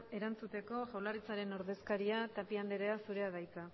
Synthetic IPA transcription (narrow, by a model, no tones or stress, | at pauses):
e̞ɾant͡sut̪e̞ko̞ʝawlaɾit͡saɾe̞no̞ɾðe̞skaɾiat̪apiand̪eɾe̞asuɾe̞að̞ajt͡sa